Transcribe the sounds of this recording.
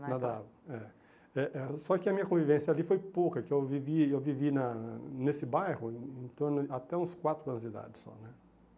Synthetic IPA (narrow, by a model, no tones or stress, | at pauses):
nad̪aɛ | ɛʔɛsɔkɪɐmĩɲɐkõvivẽsjɐalifojpowkɐkɪewviviewvivinɐnesɪbajhʊ̃ẽt̪oɾnʊɪat̪ɛũskwat̪ɾʊɐ̃nʊzd͡ʒid̪a̰d͡ʒɪsɔ̰nɛ